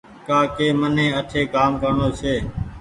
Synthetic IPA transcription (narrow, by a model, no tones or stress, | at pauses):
kaːkeːmənẽːəʈʰeːkaːmkəɾɳoːt͡ʃʰeː